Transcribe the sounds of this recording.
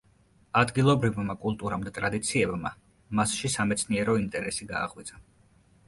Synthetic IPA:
ad̪ɡilˠɔbɾivmakʼulˠt̪ʼuɾamd̪at̪ʼɾad̪it̪sʰiɛbma̰ | masʃisamɛt̪sʰniɛɾɔint̪ʼɛɾɛsiɡa̰ːʁwit̪sʰʼa

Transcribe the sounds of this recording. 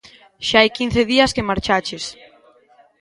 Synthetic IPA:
ʃaajkin̟θeðiɐskemaɾt͡ʃat͡ʃes

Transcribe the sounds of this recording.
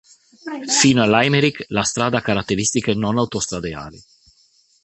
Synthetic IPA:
fiːnoalːajmeɾiklast̪ɾaːd̪akaɾat̪ːeɾist̪ikenonawt̪ost̪ɾad̪ea̰ːli

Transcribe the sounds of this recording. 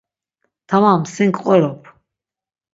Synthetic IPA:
t̪ʰamamsiŋkʰʼqʼɛɾɔpʰ

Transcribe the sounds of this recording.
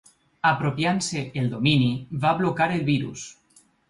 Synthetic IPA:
apɾopjanseeld̪o̞miniβaβlo̞kaɾe̞lβiɾṵs

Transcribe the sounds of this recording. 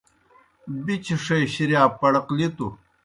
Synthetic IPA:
bit͡ɕiʂejɕiɾjaːpɐɽɐqlit̪u

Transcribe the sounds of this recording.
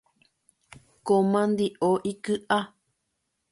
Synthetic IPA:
komãnd̪iʔoʔikɨʔa

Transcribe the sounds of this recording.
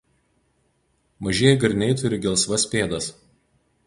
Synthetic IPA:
mɐʒʲeːjɛɡɐɾʲnʲɛɪt̪ʊɾʲɪɡʲɛlˠsʋɐsʲpʲeːd̪ɐs

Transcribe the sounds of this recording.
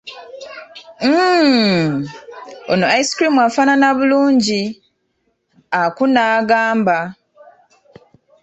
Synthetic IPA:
o̰noaiskɾimwafaːnanaβuluːɲɟi | akunaːɡaːmba

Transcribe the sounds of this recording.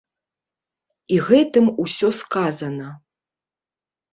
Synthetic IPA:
iɣɛt̪ɨmusʲɔskazɐnɐ

